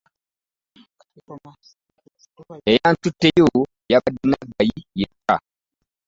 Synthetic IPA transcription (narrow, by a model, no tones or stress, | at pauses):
ejantutːejo | jabadinaɡajijeka̰